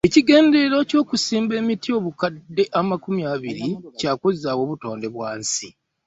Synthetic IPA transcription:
e̞ciɡe̞ːnde̞ɾoco̞ːkusiːmbe̞ːmitio̞ːβukadːe̞ʔamakumjaβiɾicaːkuzaːwo̞ːβuto̞ːnde̞βwaːnsi

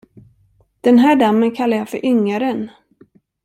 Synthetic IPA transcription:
d̪̥ɛnɦæːɖamːənkʰalːajafœɾʔʏŋːaɾən

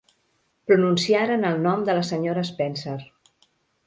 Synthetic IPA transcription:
pɾununsiaɾənəlˠnɔmd̪ələsəɲoɾəspɛnsəɾ

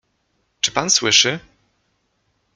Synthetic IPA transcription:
t͡ʂɘ̥panswɘʂɘ

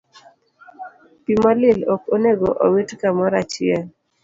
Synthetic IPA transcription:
pimalɪlokoneɡoʔo̰witkamɔɾat͡ʃɪɛ

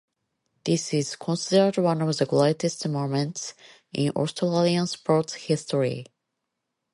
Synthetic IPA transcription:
ðɪsɪz̥kʰɔ̃nsɪdə˞dwʌ̃nɔvðəɡleɪtɨstmomə̃nts | ʔɪ̃nɔ̰ɹstʰəlalˠiə̃nspʰɔɹtshɪstəɹḭ

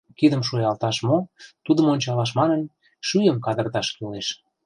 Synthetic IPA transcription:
kid̪əmʃojɑlt̪ɑʃmot̪ud̪əmonʲt͡ɕɑlɑʃ̬mɑnən | ʃyjəmkɑd̪ə̆rt̪ɑʃkyleʃ

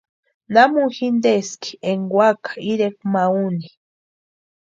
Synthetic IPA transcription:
namuxind̪eski̥eŋɡwakḁiɾek̚mauni

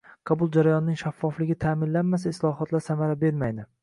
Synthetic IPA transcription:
qʰɑbʊlˠd͡ʒaɾajɒnɪnɪŋʃafːɒflɪɡʲɪt̪ʰamɪnlanmas̬aɪslˠɒɦɒt̪ʰlaɾsamaɾabe̞ɾmajd̪ɪ

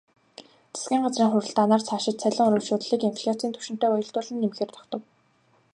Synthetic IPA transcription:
t͡sʰe̥sɡʲiːŋɢat͡sriːŋχʊɾɘ̆ɬt̪aːnaːrt͡sʰaːʃɪ̆t̪t͡sʰæɮʲɪ̆ŋɵɾɵːɮʃoːt̪ɮiːkenpʰʲi̥ɮʲatt͡siːnt̪ʰɵ̥ʃɪ̆n̥t̪eːʊjɞ̆ɬt̪ʊːɮɘ̆nːemxeːrt̪ʰɔ̥kt̪ɞ̆w

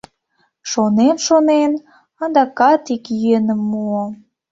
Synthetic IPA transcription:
ʃonenʃonen | ɑnd̪ɑkɑt̪ikjyenəmːuo

